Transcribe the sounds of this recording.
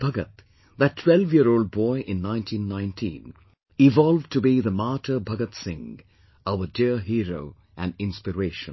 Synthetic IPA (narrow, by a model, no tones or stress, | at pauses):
b̥ʱʌɡət̪ | ðɨtʰwɛlvjiəɾoʊld̚bɔɪʔɪ̃nːãɪ̃ntʰĩnːãɪ̃ntʰḭ̃n | ɪvɑlˠvtʰubiðəmaɾə˞bʱʌɡət̪sɪ̃ŋ | aʊədiəɹɦiːɹoʊ | ʔæ̃nɪ̃nspɨɹeɪʃə̰̃n